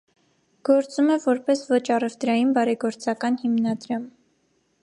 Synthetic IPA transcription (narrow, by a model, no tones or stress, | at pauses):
ɡ̥ɔɾt͡sumɛvɔɾpɛsvɔt͡ʃʰɑrɛvt̪ɾɑjinbɑɾɛɡɔɾt͡sɑkɑnhimnɑd̪ɾɑm